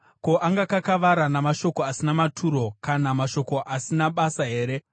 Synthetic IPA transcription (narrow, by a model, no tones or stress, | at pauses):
ko̞ʔaŋɡakakaʋaɾanamaʃo̞ko̞asinamatʰuɾo̞kanamaʃo̞ko̞ʔasinaɓasaɦe̞ːɾe̞